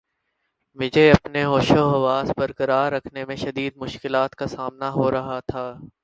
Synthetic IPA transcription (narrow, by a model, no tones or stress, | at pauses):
mʊd͡ʒʱeɐpneɦoːʃoɦɐʋaːzbɐɾkɐɾaːɾːɐkʰnemẽʃɐd̪iːd̪mʊʃkɪlaːt̪kasaːmnaɦoɾɐɦat̪ʰaː